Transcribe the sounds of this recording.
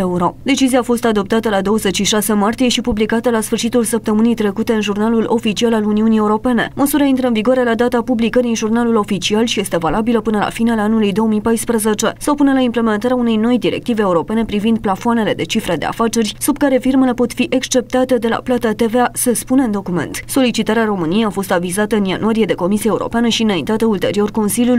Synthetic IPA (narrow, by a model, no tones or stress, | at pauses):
euɾo̞d̪e̞t͡ʃiziaːfo̞st̪ad̪o̞p̚t̪at̪əlad̪o̞wəze̞t͡ʃʃiʃase̞mart̪ije̞ʃipublikat̪əlasfɨrʃit̪ulsəp̚t̪əmɨnijt̪ɾe̞kut̪e̞ɨnʒurnalulʔo̞fit͡ʃialaluniunije̞uɾo̞pe̞ne̞̰məsuɾaint̪ɾəɨnviɡoaɾe̞lad̪at̪apublikəɾiɨnʒurnalulo̞fit͡ʃialʃije̞st̪e̞valabiləpɨnəla̰finealanulujd̪o̞omijpajspɾəze̞t͡ʃe̞saopunəlaimple̞me̞nt̪aɾeaune̞jno̞jd̪iɾe̞̰k̚t̪ive̞eːuɾo̞pe̞ne̞pɾivind̪̚plafoane̞le̞d̪e̞t͡ʃifɾed̪e̞̰a̰fat͡ʃe̞rʲsubkaɾe̞firme̞le̞po̞t̪fiʔekst͡ʃe̞p̚t̪at̪e̞d̪e̞la̰plat̪at̪e̞veasəspune̞ɨnd̪o̞kume̞̰nt̪so̞lit͡ʃit̪aɾeaɾo̞mɨnijejafo̞st̪avizat̪əɨnjanuaɾije̞d̪e̞ko̞misiaeuɾo̞̰peanəʃiɨnaint̪at̪əult̪e̞ɾio̞rko̞nsilʲjul